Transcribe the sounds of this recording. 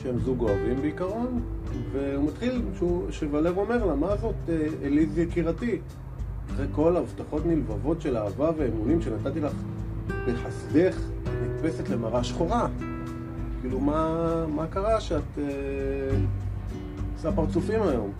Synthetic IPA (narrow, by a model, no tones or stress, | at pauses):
ʃeemzuɡoavimbeikaʁo̞nve̞umatχilʃuʃevale̞ʁo̞me̞ʁlamazo̞teelizakiʁati | aχejko̞lavtaχo̞tnilvavo̞tʃe̞laːvave̞ːmunimʃe̞nat̪at̪ilaχleħasd̪e̞χ | nit̚pe̞setle̞maʁaʃχo̞ʁa | kiːlumamakaʁaʃeat̪e | asapaʁt͡sufimajo̞m